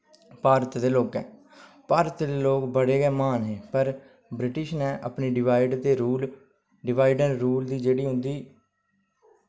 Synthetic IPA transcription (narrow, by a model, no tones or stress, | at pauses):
paːɾət̪d̪eːloːkɛ̰̃ː | paːɾət̪d̪eːloːkbəɽeːɡɛːmaːnɦẽːpəɾ | bɾɪʈɪʃnɛ̃ːʔəpneːɖɪʋaːɪɖt̪eːɾuːl | ɖɪʋaːɪɖɛ̃ːɾuːld̪iːd͡ʒeːɽiːɦʊ̃nd̪iː